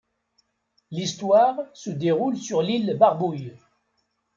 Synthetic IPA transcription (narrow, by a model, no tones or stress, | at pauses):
list̪waːʁsəd̪eʁulsyʁliləbaʁbuj